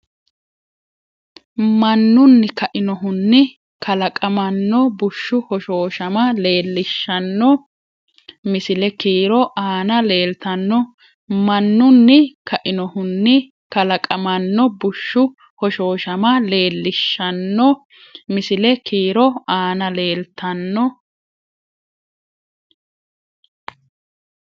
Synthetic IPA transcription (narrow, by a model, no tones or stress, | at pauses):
mɐnːʊnːɪkɐʔɪnɔɦʊnːɪ | kʰɐlɐkʼɐmɐnːɔbʊʃːʊhɔʃo̞ːʃɐmɐle̞ːlːɪʃːɐnːɔ | mɪsɪlɛkiːɾɔʔaːnɐle̞ːlt̪ɐnːɔ | mɐnːʊnːɪkʰɐʔɪnɔhʊnːɪ | kɐlɐkʼɐmɐnːɔbʊʃːʊ | hɔʃo̞ːʃɐmɐle̞ːlːɪʃːɐnːɔ | mɪsɪlɛkʰiːɾɔaːnɐle̞ːlt̪ʰɐnːɔ